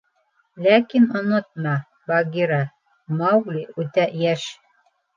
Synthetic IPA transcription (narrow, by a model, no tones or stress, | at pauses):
lækinŏnɤt̪̚mɑ | bɑɡiɾɑ | mɑwɡlʲiʉt̪æjæʃ